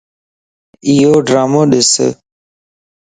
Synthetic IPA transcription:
iːoːɖɾaːmoːɗɪsə̰

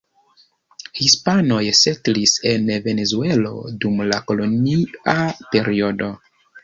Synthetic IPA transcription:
hispano̞jsetlise̞nve̞ne̞zue̞lo̞̰dumlako̞lo̞niape̞ɾio̞do̞

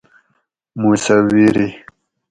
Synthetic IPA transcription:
musawiɾi

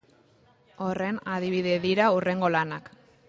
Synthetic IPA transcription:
o̞re̞naðiβ̞iðe̞ðiɾaure̞ŋɡo̞lanak

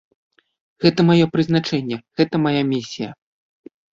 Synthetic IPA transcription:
ɣɛt̪ɐmajɔpɾɨzn̪at͡ʂɛnʲːɛɣɛt̪ɐmajamʲisʲijɐ

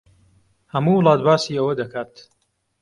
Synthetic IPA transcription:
hɐmuwlˠaːt̪baːsiːɐwɐd̪ɐkʰaːt̪

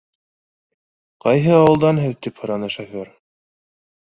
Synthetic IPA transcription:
qɑjɦɤɑwɤ̆lˠd̪ɑnɦɘðt̪iphɤ̆ɾɑnɤʃæfæɾ

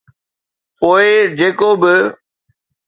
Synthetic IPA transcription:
poːɪd͡ʑeːkobɪ

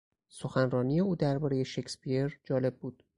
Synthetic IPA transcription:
so̞xænrɒːnije̞uːd̪æɾbɒːɾeje̞ʃecspʰieɾd͡ʒɒːle̞b̚buːd̪̥

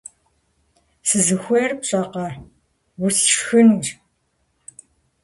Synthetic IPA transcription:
sɨzɨxʷeːrpɕʼɐqɐ | wʊst͡ʃxɨnr

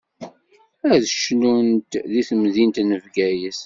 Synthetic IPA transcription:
æɾðəʃnunt̪ðiθəmðint̪nəvɡæjəs

